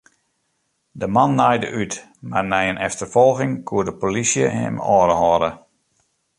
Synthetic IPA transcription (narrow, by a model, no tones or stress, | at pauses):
dəmanːajdə̰ʔyt | marnɛjənɛftərfɔlˠɣɪŋkʰuədəpolisjəɛ̰mɔːɾəɦɔɾə